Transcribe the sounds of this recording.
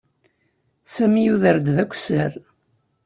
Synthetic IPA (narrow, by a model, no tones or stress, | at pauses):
sæmijuðəɾd̪ðækʷːsəɾ